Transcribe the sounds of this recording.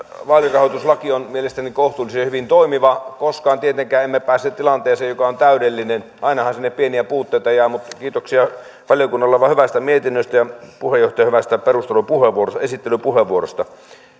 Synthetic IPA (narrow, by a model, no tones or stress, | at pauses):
ʋɑːljorɑhoˑit̪uslɑkionmielest̪ænikoht̪uːlːisehyʋint̪oimiʋɑkoskɑːnt̪iet̪eŋkæːemːepæːsːet̪t̪ilɑnt̪eːseːjokɑont̪æyɾelːinenʔɑinɑhɑnsinːeppieniæpuːt̪ːeˑit̪ɑjæːmut̪kiːt̪oksiɑ | ʋɑljokunːɑlːɑʋɑhyʋæst̪æmiet̪inːøst̪æjɑpuhejoht̪ɑjɑhyʋæst̪æperust̪elupuheʋʋuorost̪ɑesit̪ːelypuheʋʋuoro̰st̪ɑ